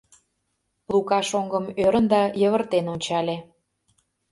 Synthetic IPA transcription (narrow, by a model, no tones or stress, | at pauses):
plˠukɑʃoŋɡəmøɾənd̪ɑjəβə̆rt̪enonʲt͡ɕɑlʲe